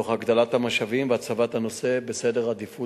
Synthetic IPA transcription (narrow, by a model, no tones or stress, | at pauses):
oχhaɡd̪alat̪hamaʃavimveat͡savat̪hano̞se̞besede̞ʁad̪ifu